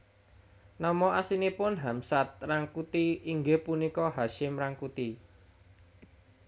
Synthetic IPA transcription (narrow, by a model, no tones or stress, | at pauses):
nɔmɔʔasinipʊnɦamsat̪̚raŋkut̪iiŋɡehpunikɔɦaʃɪmraŋkut̪i